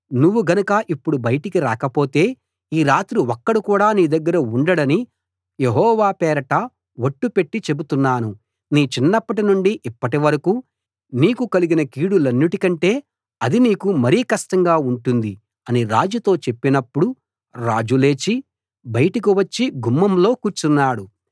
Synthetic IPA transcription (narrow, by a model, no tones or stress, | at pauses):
nuʋːuɡɐnɐkɐʔipːuɽubɐjɐʈikiɾaːkɐpo̞ːt̪e̞ː | iːɾaːt̪ɾuɔkːɐɽukuːɽaːniːd̪ɐɡːɐɾɐuɳɖɐɽɐni | jeɦɔːʋaːpɛːɾɐʈɐ | ʋoʈːupe̞ʈːit͡ʃe̞but̪unːaːnu | niːt͡ʃinːɐpːɐʈinuɳɖiʔipːɐʈiʋɐɾɐkuː | niːkukɐliɡinɐkiːɽulɐnːuʈikɐɳʈe̞ː | ɐd̪iniːkumɐɾiːkɐʂʈɐŋɡaːuɳʈund̪i | ɐniɾa̰ːd͡ʒut̪o̞ːt͡ʃe̞pːinɐpːuɽu | ɾaːd͡ʒule̞ːt͡ʃi | bɐjɐʈɐk̬iʋɐt͡ʃːiɡumːɐmlo̞ːkuːɾt͡ʃunːaːɽu